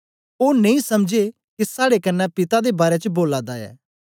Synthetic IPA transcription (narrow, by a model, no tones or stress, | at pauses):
oːnẽĩːsɐmd͡ʒe | kisaːɽekənːɛpɪt̪ad̪ebaːɾet͡ʃəboːlaːd̪aɛ̰ː